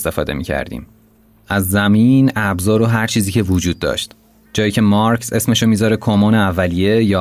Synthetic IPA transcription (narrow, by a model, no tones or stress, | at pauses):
st̪e̞fɒ̰ːd̪e̞̰mḭːcʰæ̰ɾd̪ḭːm | æzːæmiːnæbzɒːɾoɦæɾt͡ʃʰiːziːcʰevod͡ʒuːd̪̚ːɒ̰ːʃt̪ | d͡ʒɒːjiːcʰe̞mɒɾcʰse̞sme̞ʃomiːzɒːɾekʰomoːneævːælijejɒː